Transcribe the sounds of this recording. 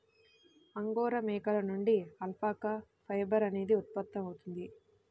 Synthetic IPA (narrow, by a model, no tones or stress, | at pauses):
ɐŋɡoːɾɐmɛːkɐlɐnuɳɖiɐlpʰaːkɐ | pʰɐjbɐɾɐne̞ːd̪iut̪̚pɐt̪ːɐmɐwut̪und̪i